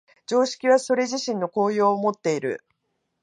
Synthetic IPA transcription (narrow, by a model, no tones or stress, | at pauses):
d͡ʑo̞ːɕi̥kʲiβ̞aso̞ɾe̞ʑiɕĩnːo̞ko̞ːjo̞ːmo̞t̪ːe̞iɾɯ̟̰